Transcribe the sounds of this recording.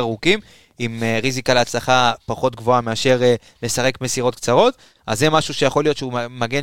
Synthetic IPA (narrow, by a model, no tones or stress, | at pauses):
aʁukim | imeʁizikaleat͡slaχapaχo̞t̪ɡvo̞ame̞aʃe̞ʁe | le̞saʁe̞kme̞siʁo̞t̚kt͡saʁo̞t̪ | ʔazːemaʃuʃe̞jaχo̞lijo̞t̪ʃeumaɡe̞n